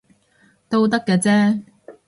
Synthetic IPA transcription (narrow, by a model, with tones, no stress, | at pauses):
t̪o˥wt̪̬ɐ˥kːɛː˧t͡sɛː˥